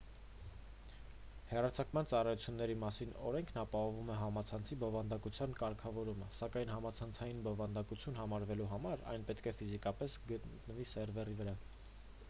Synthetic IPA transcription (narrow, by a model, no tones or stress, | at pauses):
hɛrɑt͡sʰɑkmɑnt͡sɑrɑjut͡sʰjunːɛɾimɑsinɔ̰ɾɛŋkʰnɑpɑɦɔvumɛɦɑmɑt͡sʰɑnt͡sʰibɔvɑnd̪ɑkut͡sʰjɑnkɑɾkʰɑvɔɾuməsɑkɑjnɦɑmɑt͡sʰɑnt͡sʰɑjinbɔvɑnd̪ɑkut͡sʰjunɦɑmɑɾvɛluɦɑmɑɾɑ̰jnpɛt̪kʰɛfizikɑpɛsɡət̪nəvisɛɾvɛrivəɾɑ